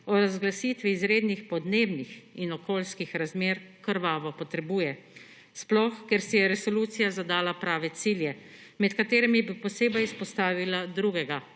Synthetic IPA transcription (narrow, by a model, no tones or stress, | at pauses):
ɔɾazɡlasiːt̪ʋiːzɾeːd̪nixpɔd̪neːbnixinɔkoːlskixɾazmeːɾkəɾʋaːʋɔpɔt̪ɾɛbuːjɛ | splɔxkɛɾsɛjɛɾɛsɔluːt̪sijazad̪aːlapɾaːʋɛt̪siːljɛ | mɛt̪kat̪eːɾɛmibipɔseːbɛjspɔst̪aːʋilad̪ɾuːɡɛɡa